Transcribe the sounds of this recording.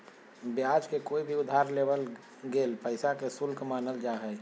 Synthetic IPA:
bjad͡ʒkekoibʱiʊd̪ʱaɾlebəl | ɡelpəɪsakesʊlkʰmaːnəld͡ʒaɦɛ

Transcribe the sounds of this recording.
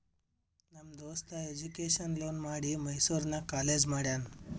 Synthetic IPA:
nɐmd̪oːst̪ɐed͡ʒukeːʃɐnloːnmaːɽimɐjsuːɾnɐkaːleːd͡ʒmaːɽjaːnu

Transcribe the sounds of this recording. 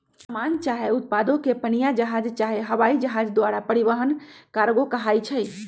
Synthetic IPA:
səmant͡ʃaɦeut̪̚pad̪okepənijad͡ʒəɦad͡ʒt͡ʃaɦeɦəʋaid͡ʒəɦad͡ʒd̪owaɾapəɾiʋəɦənkaɾɡokəɦajt͡ʃʰəj

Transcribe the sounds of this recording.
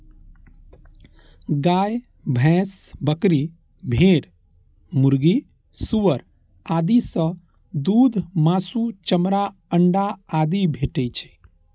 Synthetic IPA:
ɡaj | bʱɛ̃sbəkɾi | bʱeɽ | muɾɡi | suʋəɾ | ad̪isə̃ | d̪ud̪ʱmasut͡ʃəmɾaəɳɖaad̪ibʱeʈɛt͡ʃʰɛ̥

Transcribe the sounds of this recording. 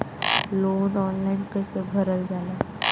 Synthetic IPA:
loːnɔːnlaːɪnkəsebʱəɾəld͡ʒaːlaː

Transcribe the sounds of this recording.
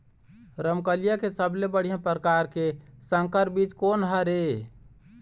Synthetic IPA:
ɾəmkəlijakesəblebəɽ̤ijãpɾəkaɾkesə̃ŋkəɾbit͡ʃkonɦəɾe

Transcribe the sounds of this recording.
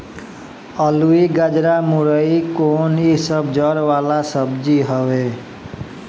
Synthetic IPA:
əluiɡad͡ʒɾamuɾəikonisəbd͡ʒəɾʋalasəbd͡ʒiɦəʋe

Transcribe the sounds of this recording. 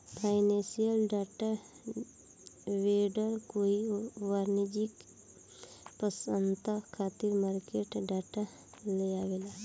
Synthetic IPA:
pʰaːɪnẽsijəlɖaːʈa | ʋeːɖəɾkoːiʋaːɾnid͡ʒik | pəsənt̪akʰaːt̪iɾmaːɾkeːʈɖaːʈa | leaʋela

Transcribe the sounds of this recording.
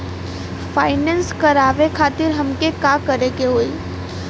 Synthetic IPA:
fʰaːɪnɛ̃ːnskɐɾaːʋekʰaːt̪ɪɾɦɐmkekaːkɐɾekeɦoːi

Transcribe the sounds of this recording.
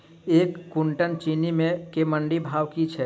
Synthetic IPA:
eːkːuɳʈənt͡ʃinimẽkeməɳɖibʱaːʋkit͡ʃʰɛ

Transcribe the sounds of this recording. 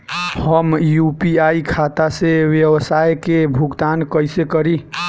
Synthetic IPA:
həmjupiaikʰat̪asewjewəsajkebʱuɡd̪ankəjsekəɾi

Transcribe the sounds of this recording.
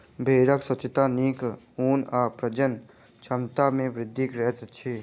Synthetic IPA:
bʱeːɾəkswət͡ʃət̪aniːk | uːnaːpɾəd͡ʒən | t͡ʃʰəmt̪amẽʋɾɪd̪ʱːikɾɛɦt̪t͡ʃʰe

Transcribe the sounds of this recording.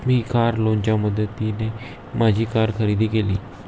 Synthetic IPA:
miːkaːɾlõːnd͡ʒaːməd̪ət̪ːiːneː | mʔaːd͡ʒiːkaːɾkʰəɾiːd̪iːkeːliː

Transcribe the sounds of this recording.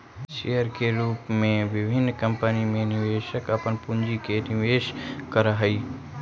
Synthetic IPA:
ʃejəɾkeɾuːpmẽʋɪbʱɪnːkəmpənimẽnɪʋeːʃəkəpənpund͡ʒikenɪʋeːʃkəɾəɦəi

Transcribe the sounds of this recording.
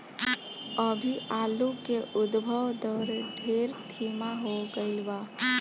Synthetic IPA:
əbʱiʔaːlukeʔʊd̪bʱəwd̪ɔɾɖʱeːɾt̪ʰimaɦoɡəɪlʋa

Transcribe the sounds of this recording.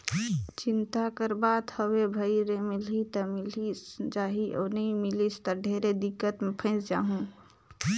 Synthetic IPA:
t͡ʃɪnt̪akəɾbaːd̪həwebʱəiɾemɪlit̪əmɪlisd͡ʒaːɦiʔɔːnəimɪlist̪əɾɖʱeːɾed̪ɪkːət̪mepʰə̃ɪ̃sd͡ʒaːɦũ

